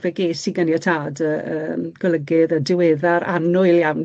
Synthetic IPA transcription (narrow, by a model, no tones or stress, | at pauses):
vɛɡeːsiɡənjatʰaːdəːəːɡ̥ɔlˠəɡɨðədɪwɛːðaɾa̰nʊɨljawn